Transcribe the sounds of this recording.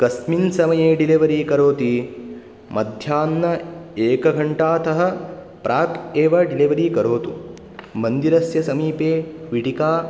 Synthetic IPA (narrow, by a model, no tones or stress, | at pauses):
kɐsminsɐmɐjeːɖiliʋɐɾikɐɾoːt̪i | mɐd̪ʱjaːnːɐeːkɐɡʱɐɳʈaːt̪ɐɦɐ̆ | pɾʔaːt̪eːʋɐɖiliʋɐɾikɐɾoːt̪u | mɐnd̪iɾɐsjɐsɐmiːpeːʋiʈikaː